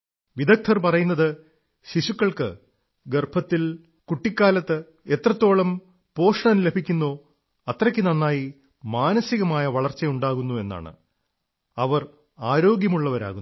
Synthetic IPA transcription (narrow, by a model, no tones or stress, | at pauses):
ʋid̪ɐk̚t̪ʰːɐrpɐrɐjunːɐðɨ | ɕiɕukːɐɭkɨ | ɡerbʰʱɐt̪ːil | kuʈːikʲːaːlɐt̪ːɨ | et̪rɐt̪ːo̞ːɭɐm | po̞ːʂɐɳɐnle̞bʱikʲːunːoː | ɐt̪rɐkʲːɨnɐnːaːji | maːnɐsiɣɐmaːjɐʋɐɭɐrt͡ɕːɐjuɳɖaːɣunːue̞nːa̰ːɳɨ̰ | ɐʋɐr | aːɾo̞ːɡjɐmuɭːɐʋɐɾa̰ːɣunː